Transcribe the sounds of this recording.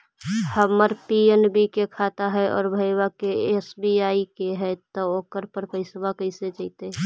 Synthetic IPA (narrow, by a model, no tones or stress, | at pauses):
həməɾpienbikekʰat̪aɦɛʔɔ̰ːɾbʱəɪwakeesbiaːikeɦɛt̪ɔoːkəɾpəɾpəɪswakəɪset͡ʃəɪt̪e